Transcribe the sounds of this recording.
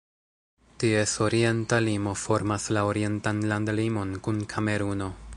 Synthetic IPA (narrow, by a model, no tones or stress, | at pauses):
tie̞so̞ɾie̞ntalimo̞fo̞ɾmaslaoɾie̞ntanlandlimo̞nkunkʰame̞ɾuno̞